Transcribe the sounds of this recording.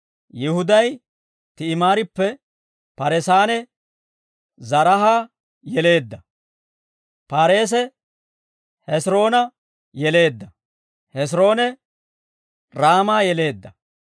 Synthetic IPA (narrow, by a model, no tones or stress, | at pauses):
jɪhʊd̪ɐj | t̪ɪːmaːɾɪpːɛ | pɐɾɛsaːnɛ | zɐɾɐɦaː | jɛle̞ːd̪ːɐ | paːɾe̞ːs̬ɛ | hɛsɾo̞ːnɐ | jɛle̞ːd̪ːɐ | hɛs̬ɾo̞ːnɛ | ɾaːmaːjɛle̞ːd̪ːɐ